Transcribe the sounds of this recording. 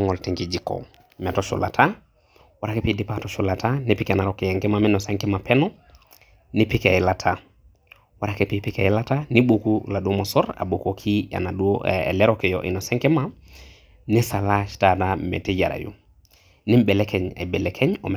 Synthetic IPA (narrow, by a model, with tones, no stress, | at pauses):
ŋo˨lte˨ŋkid͡ʒi˨ko̰˨ | mɛ˨tɔ˦ʃṵ˨la̰˨tʰa˦ | wa˦ɾa˦ke˦pi˦di˦pa˦˨tɔ˦ʃu˦la˨tʰa˦ni˦pi˦ke˨na˨ɾoke˨ja˨ŋke˦mami˦no˨se˦ŋke˦ma˨pɛ˦nɔ˦ | ni˦pi˦ke˨ji˦la˨tʰa | waɾa˦ke˨pi˦pi˦kḛ˨ji˦la˦ta˦ni˦ɓo˨kula˨du˦o˦mo˨sɔ˦ɾa̰˨bo˨ko˨kʰi˦a̰˨na˨du˦o̰˨le˦ɾɔke˨jo˨ʔḭ˨nɔ˨se˦ŋke˦ma˦ | ni˦sa˨la˦ʃta˦da˦mḛ˨te˦ɟa̰ɾa̰˨jṵ˨ | ni˦mbe˨le˦ke˨ɲa̰˨be˨lekʰe˦ɲo̰˨m